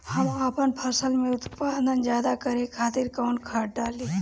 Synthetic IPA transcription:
hɐmaːpənpʰɐɾsəlmẽʊt̪paːd̪ənzjaːd̪akəɾekʰaːt̪iɾkaːɳkʰaːʈ̚ɖaːliː

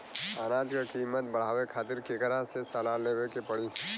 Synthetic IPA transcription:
aːnaːd͡ʒkakiːmːət̪̚bəɽ̤aːwekʰaːt̪ɪɾkekəɾasesəlaleːwekepəɽiː

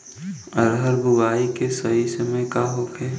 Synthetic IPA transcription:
ɐɾɦəɾbʊʋaːikesɐɦisəmẽkaɦokʰɛː

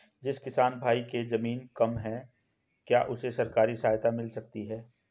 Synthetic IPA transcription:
d͡ʒɪskɪsaːnbʱaːikezɐmiːnkɐmɦɛ | kjaːʔʊsesɐɾkaːɾisaːɦt̪amɪlsɐk̚t̪iɦɛː

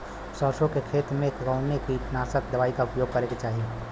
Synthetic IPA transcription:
sɔɾʃõkekʰeːt̪ɾmẽkɡaʊnːekit̪naːsəkd̪ɐʋaːikaʊpjoːɡ̚kɐɾeːɡet͡ʃaːɦieː

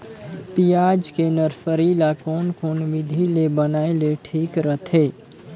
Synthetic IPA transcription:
pijad͡ʒkenəɾpʰəɾilakoːnkonʋid̪ʱilebənaeleʈʰiːkɾəɦt̪ʰe

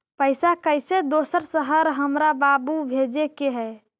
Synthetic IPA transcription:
pəjsakəjsed̪osəɾsəɦəɾɦəmɾababubʱed͡ʒekeɦɛ

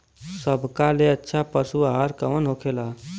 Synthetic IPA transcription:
səbʱkaleətːʃʰapəsuaɦaɾkəmənɦokʰela

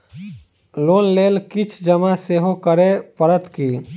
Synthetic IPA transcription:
loːnleːlkɪt͡ʃʰd͡ʒəmaseːɦokəɾepəɾət̪kiː

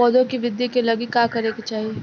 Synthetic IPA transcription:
ɔːd̪õkiʋɪd̪jikelɐɡikaːkɐɾeket͡ʃaːɦieː

